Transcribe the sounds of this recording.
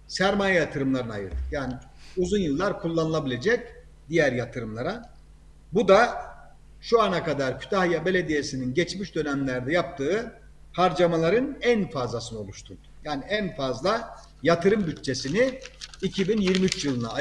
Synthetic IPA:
sæɾmajajat̪ʰɯɾɯmlˠaɾɯnajɯ̰ɾd̪ɯjaːni | uzunjɯlˠːaɾkʰulˠːanɯlˠabilʲe̞d͡ʒɛc | d̪̥ijæɾjat̪ʰɯɾɯmlˠaɾa | bud̪a | ʃuanakad̪aɾcʰy̥t̪ʰahjabe̞lʲed̪ije̞sininɟɛt͡ʃmiʃd̪ø̞nɛmlʲæɾd̪ɛjap̚t̪ʰɯɯ | pʰaɾd͡ʒamalˠaɾɯnænfazlˠasɯnɯo̞lˠuʃt̪ʰun | jaːniænfazlˠa | jat̪ʰɯɾɯmbyt̪t͡ʃʰe̞siniicʰibinjiɾmiyt͡ʃjɯlˠɯna

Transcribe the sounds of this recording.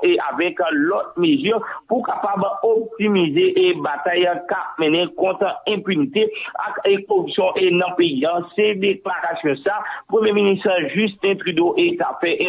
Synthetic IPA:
eavɛklɔt̪̚mezyʁpukapabop̚t̪imizeʔbat̪ajãkap̚mɛ̃nɛ̃kɔ̃t̪ɛ̃pynit̪ea̰kekoʁypsjɔ̃ʔenɐ̃peiɐ̃sɛd̪eklaʁasjɔ̃sapʁømjeminist̪əʒyst̪ɛ̃t̪ʁidoʔet̪afɛ

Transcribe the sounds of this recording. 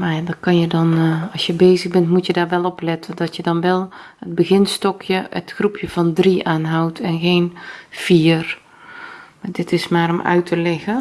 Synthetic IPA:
madɔkɑnjədɔnɑlˠsjəbeːzəɣbɛntmutjədaːrʋɛlˠɔplɪtʰəndɔtjədɔnʋɛlˠəd̚bəɣɪnstɔkʰjəətxrupʰjəv̥ɔndriʔaːnɦawtʰɛnxeːnfiːər | madɪtɪsmaːɾɔmʔœ̰ɥtʰəlɪɣə

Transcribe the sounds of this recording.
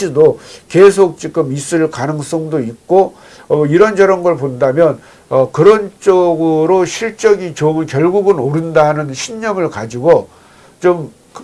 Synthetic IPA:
idokesʰok̚t͡ɕ͈ik͈ɯmis͈ɯɭkanɯŋs͈ʌŋdoik̚k͈o | ʌiɾʌnd͡ʑʌɾʌnɡʌɭpondamjʌn | ʌkɯɾʌnt͡ɕ͈ʌɡɯɾoɕʰiɭt͡ɕ͈ʌɡit͡ɕonkjʌɭɡuɡɯnoɾɯndaɦnɯnɕʰiɲːʌmɯɭkad͡ʑiɡo | t͡ɕom

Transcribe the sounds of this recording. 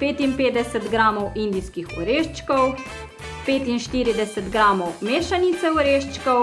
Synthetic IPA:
peːt̪impeːd̪ɛsɛt̪ɡɾaːmɔwʔind̪iskixɔ̰ɾeːʃt͡ʃkɔw | peːt̪inʃt̪iːɾid̪ɛsɛt̪ɡɾaːmɔwmeːʃanit̪sɛɔɾeːʃt͡ʃkɔw

